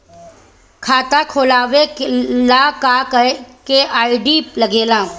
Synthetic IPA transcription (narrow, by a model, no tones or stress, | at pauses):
kʰaːt̪akʰoːlaːʋeklakakkeʔaːiɖilɐɡeːlãː